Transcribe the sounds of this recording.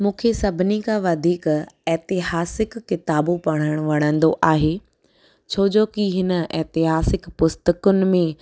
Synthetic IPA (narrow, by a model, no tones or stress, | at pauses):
mũːkʰesɐbʱɪnikãʋɐd̪ʱiːkɛːt̪ɪɦaːsɪkːɪt̪aːbupɐɽ̃əɽ̃ʋɐɽ̃ə̃nd̪oʔaːɦeː | t͡ɕʰoːd͡ʑoːkiɦɪnə̆ɛ̰ːt̪ɪɦaːsɪkpʊst̪əkʊnɪ̆mẽ